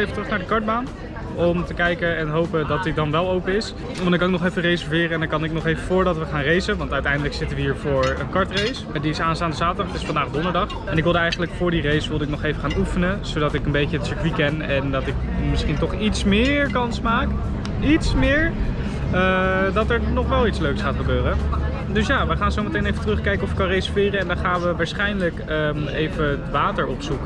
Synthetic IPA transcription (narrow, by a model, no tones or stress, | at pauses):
ejfətrɵχnaːɹdəkɑɹd̚baːn | ɔmtəkɛjkəɛnɦowpədɑt̚dɪt̚dɑnʋɛlˠowpəɪs | ɑndɑŋkɑnɪk̚nɔχefərejsəɹvɪːrəɛndɑkɑnɪk̚nɔχejvəfʊːɹdɑtʋəχaːnrejzənʋɑntœɥtɛjndələksɪtəʋəɦiːɹvʊːɹənkɑɹtrejs | diɪsaːnstaːndəzaːtədɑχɪsfɑndaːχdɔndəɹdɑχ | ɛnɪkʋɪlˠdəɛjχənələkfʊːɹdirejsʋɪlˠdəɪk̚nɔχejvəχaːnufənəz̥owdɑtɪkənbejcəətsəɹkʋikɛnɛndɑtɪk | mɪsχintɔχitsmɪɹkɑnsmaːk | itsmɪːɹ | ədɑtɛɹnɔχʋɛlˠitsløɥksχaːtχəbøːrə | dɵsjaːʋəχaːnzowmətejnejvətrɵχkɛjkəɔfɪ̥kːɑnrejsə̥ɹfɪːrəɛndɑnχaːnʋəʋaːɹsχɛjndələkəejvətʋaːtəɹɔpsuk